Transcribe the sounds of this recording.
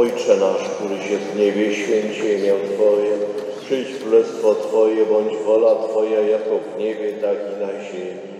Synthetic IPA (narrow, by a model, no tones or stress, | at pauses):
ɔjt͡ʂɛnaʂkt̪uɾɘɕɛvɲɛbʲjɛɕfʲjɛɲt͡ɕɛmʲjawt̪fɔjɛpʂɘjt͡ɕkɾulɛst̪fɔt̪fɔjɛbɔɲd͡ʑvɔlat̪fɔjajakɔvɲɛbʲjɛt̪akʲinaʑemʲ | i